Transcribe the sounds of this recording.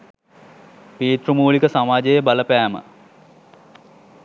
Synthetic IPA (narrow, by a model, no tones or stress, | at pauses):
piːt̪rumuːɭikəsamaːd͡ʒejəbaləpæːmə̰